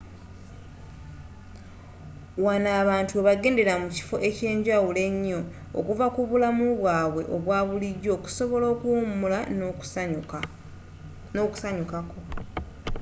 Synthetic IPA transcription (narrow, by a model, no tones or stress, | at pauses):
wanaːβaːntuweβaɡe̞ːnde̞ɾamuci̥fo̞ʔe̞ce̞ːɲɟawule̞ɲːo̞ | o̰kuvakuβulamuβwaːβwe̞ʔoβwaːβuliɟːo̞ːku̥so̞βo̞lo̞ːkumula | noːku̥saɲukako̞